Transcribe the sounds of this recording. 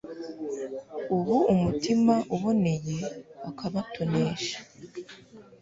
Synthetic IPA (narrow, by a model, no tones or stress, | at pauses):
uβuumutimaʔuβo̞ne̞je̞akʰaβatʰo̞ne̞ːʃḁ